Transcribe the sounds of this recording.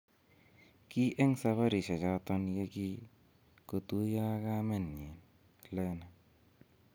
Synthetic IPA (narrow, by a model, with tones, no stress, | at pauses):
ki˦ʔɛ˦ŋsa˧βa˦ɾi˨ʃa˨t͡ʃa˦tɔ˦nje˦ki˦ | ko˨tu˦ja˦ka˦mɛ˨nɲe˨n | lɛ˦na˨